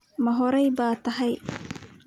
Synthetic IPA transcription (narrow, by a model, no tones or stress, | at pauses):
mɐɦɔɾɛjbaːt̪ʰɐɦɛj